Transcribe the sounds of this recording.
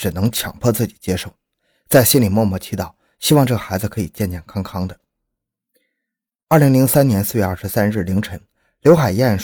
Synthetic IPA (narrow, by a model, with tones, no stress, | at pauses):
ʈ͡ʂɻ̩˨˩nɤ˧˥ŋt͡ɕʰjɑ̰˨˩ŋpʰɔ˥˧t͡sɹ̩˥˩t͡ɕi̥˨˩t͡ɕjɛ˥ʂo˥˩ʊ | t͡sa˥˩ɪɕi˥nli˨˩mwɔ˥˧mwɔ˥˩t͡ɕʰi˧˥t̪ɑ˨˩ʊ | ɕi˥wɑ˥˧ŋʈ͡ʂɤ˥˩ɡə˩xa˧˥ɪd͡zɹ̩˧kʰɤ˧˥i˨˩t͡ɕjɛ˥˧nt͡ɕjɛ˥˩nkʰɑ˥ŋkʰɑ˥ŋd̪ə˨˥˩ | li˧˥ŋli˧˥ŋsa˥njɛ˧˥nsɹ̩˥˧ɥɛ˥˧a˞˥˩ʂ̩˧˥sa˥nɻɻ̩˥˩li˧˥ŋʈ͡ʂʰɤ˧˥ŋ | ljo˧˥ʊxa˨˩ɪjɛ˥˩nʂ